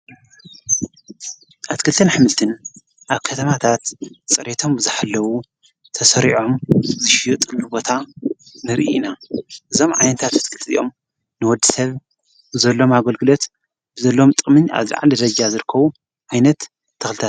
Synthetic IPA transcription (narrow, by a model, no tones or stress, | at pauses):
ʔat̪kʰɨlɨt̪ʰɐnħɨmɨlt̪ʰɨn | ʔaβkʰɐt̪ʰɐmat̪ʰat̪t͡sʼɨɾet̪ʰo̞mbɨzaħalːɐwu | t̪ʰɐsɐɾiʕo̞mzɨʃijut̪ʼɨllubo̞t̪ʰa | nɨɾʔḭnaʔɨzo̞mʕa̰jnɐt̪ʰat̪at̪kʰɨlt̪ʰʼɨzḭjʔo̞m | nɨwɔd̪ːɨsɐβ | bɨzɐlːo̞maɡɐlɡɨlo̞t̪ | b̥ɨzɐlːomt̪ʼɨmɨɲa̰βza̰ʕa̰lɨd̪ɐd͡ʒazɨɾɨkʰːɐβu | ʕajnɐt̪ːʰ | ɐxlɨt̪ʰat̪